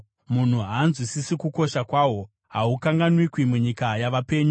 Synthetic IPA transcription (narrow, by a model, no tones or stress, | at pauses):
mun̤uɦaːnzwisisikuko̞ʃakwaːwo̞ | ɦa̰ukaŋɡanwikwimuɲikajaʋape̞ːɲu